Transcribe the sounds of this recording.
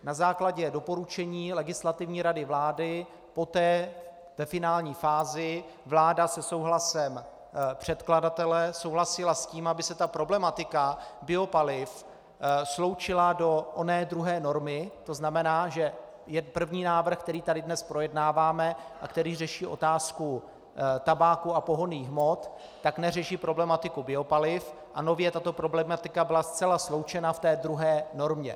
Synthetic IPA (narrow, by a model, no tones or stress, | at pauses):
nazaːklaɟɛdo̞po̞ɾut͡ʃɛɲiːlɛɡɪslat̪ɪvɲiːɾadɪvlaːdɪ | po̞t̪ɛː | vɛfɪnaːlɲiːfaːzɪ | vlaːdasɛso̞wɦlasɛm | pr̝̥ɛt̪kladat̪ɛlɛso̞wɦlasɪlasciːmabɪsɛt̪apɾo̞blɛmat̪ɪkabɪo̞palɪf | slo̞wt͡ʃɪlado̞ʔonɛːd̪ɾuɦɛːno̞ɾmɪt̪o̞znamɛnaːʒɛ | jɛpr̩vɲiːnaːvr̩xkt̪ɛɾiːt̪adɪdnɛspɾo̞jɛdnaːvaːmɛʔakt̪ɛɾiːrɛʃiːʔo̞̰t̪aːsku | t̪abaːkuapo̞ɦoniːxmo̞t̪ː | aknɛrɛʃiːpɾo̞blɛmat̪ɪkubɪo̞palɪf | ʔano̞vjɛt̪at̪o̞pɾo̞blɛmat̪ɪkabɪlast͡sɛlaslo̞wt͡ʃɛnaft̪ɛːdɾuɦɛːno̞ɾmɲɛ̰